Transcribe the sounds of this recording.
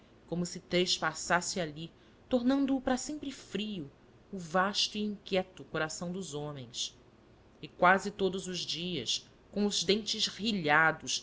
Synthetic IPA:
kõmʊsɪt̪ɾeʃpasasɪali | t̪oɾnɐ̃nd̪ʊːpɾɐsẽmpɾɪfɾiʊː | vaʃt̪ʊiĩŋkʲjɛt̪ʊkoɾasɐ̃w̃d̪ʊzõmẽj̃s | ɪkwazɪt̪od̪ʊzʊzd͡ʒiɐs | kõw̃ʊzd̪ẽnt͡ʃɪzhiʎad̪ʊs

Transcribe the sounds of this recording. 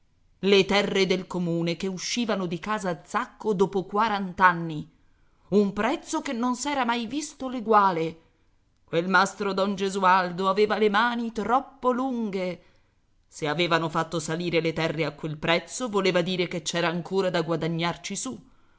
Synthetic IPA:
let̪ɛrːed̪elkomuːnekeuʃːiːvanod̪ikaːzaːd̪zːakːod̪ɔːpokwaɾant̪anːi | umpɾɛt̪sːokenːonsɛːɾamajvist̪oleɡwaːle | kwelmast̪ɾod̪ɔnd͡ʒezuald̪oaveːvalemaːnit̪ɾɔpːoluŋɡe | seaveːvanofat̪ːosaliːɾelet̪ɛrːeakːwelpɾɛt̪sːovoleːvad̪iːɾeket͡ʃːɛːɾaːŋkoːɾad̪aɡwad̪aɲːart͡ʃisu

